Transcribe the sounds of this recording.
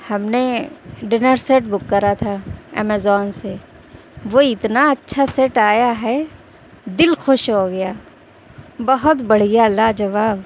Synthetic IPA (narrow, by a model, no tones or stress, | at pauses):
hɐmneɖɪnəɾseːʈ̚bʊkːəɾat̪ʰaɛ̰mɛzɔːnse | ʋoɪt̪naɐtːʃʰaseʈaːjaɦɛ | d̪ɪlxʊʃɦoɡɐjaː | bɐɦʊt̪bɐɽ̤ijalːad͡ʒɐʋaːb